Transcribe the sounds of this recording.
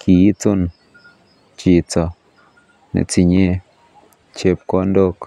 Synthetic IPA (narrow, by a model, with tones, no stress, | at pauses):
kʰi˨i˦t͡so˦n | t͡ʃi˨t͡sɔ˨ | nḛ˨t͡si˨ɲe˦ | t͡ʃe˦p̚kɔ˦ndo˦k